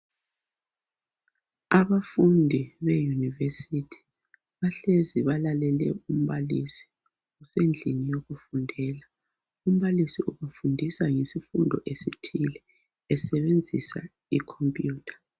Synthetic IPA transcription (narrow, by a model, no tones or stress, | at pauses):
aβafundʱiβejunivesitʰi̥ | βaɬeziβalalɛlɛ̰um̩βalisi̥ | usend͡ɮʱinijoɣufundʱɛːla | um̩βalisiʔuβufundʱisaŋesifundʱɔ̰ʔesitʰilɛː | sɛβend͡zʱḭsa̰ | ikʰɔmpʼjuːtʰḁ